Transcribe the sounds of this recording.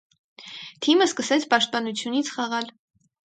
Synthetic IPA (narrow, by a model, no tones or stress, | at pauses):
t̪ʰiməskəsɛt͡sʰpɑʃt̪̚pɑnut͡sʰjunit͡sʰχɑʁɑl